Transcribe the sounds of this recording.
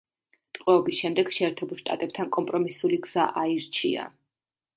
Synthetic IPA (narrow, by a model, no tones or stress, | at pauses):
t̪ʼqʼwɛɔbisʃɛmd̪ɛɡʃɛːɾt̪ʰɛbulˠʃt̪ʼa̰t̪ʼɛp̚t̪ʰankʼɔmpʼɾɔmisuliɡz̥aʔaiɾt͡ʃʰia̰